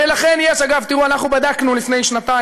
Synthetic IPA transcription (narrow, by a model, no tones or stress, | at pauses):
elaχe̞njeʃaɡavt̪iʁuanaχnubad̪aknulifne̞jʃnat̪a